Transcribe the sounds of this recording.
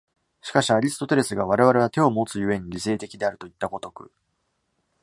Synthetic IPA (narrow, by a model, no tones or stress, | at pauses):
ɕi̥kaɕiaɾʲisɨ̥t̪o̞t̪e̞ɾe̞sɨɡaβ̞aɾe̞β̞aɾe̞βat̪e̞o̞mo̞t͡sɨjɯ̟βe̞ɲ̟iɾʲise̞ːt̪e̞kʲid̪e̞aɾɯ̟t̪oit̪ːako̞t̪o̞kɯ̰